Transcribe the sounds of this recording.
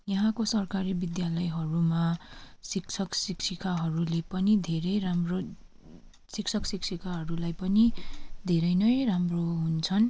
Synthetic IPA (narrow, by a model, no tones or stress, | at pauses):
jʌɦãkosʌrkaɾibid̪jalʌjɦʌɾumasik̚t͡sʰʌksiksʰikaɦʌɾulepʌnid̪ʱeɾʌjramro | sik̚t͡sʰʌksiksʰikaɦʌɾulajpʌnid̪ʱeɾʌjnʌjramroɦunt͡sʰʌn